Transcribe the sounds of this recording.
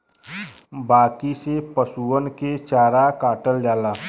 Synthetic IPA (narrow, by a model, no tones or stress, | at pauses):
baːkisepəsuənket͡ʃaːɾakaːʈəld͡ʒaːlaː